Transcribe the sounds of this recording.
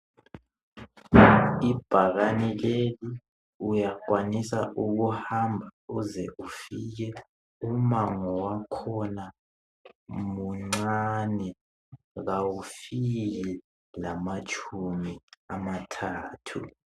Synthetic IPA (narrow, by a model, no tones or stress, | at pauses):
ib̥ʱaɣanileli | ujaɡ̥ʱwanisaʔuɣuhambʱauzɛ̰ʔufik̬ɛ | umaŋɔwakʰɔna | muŋ͡ǀanɛ | ɣawufiɣɛ | lamat͡ʃʰʼumiamatʰaːtʰṵ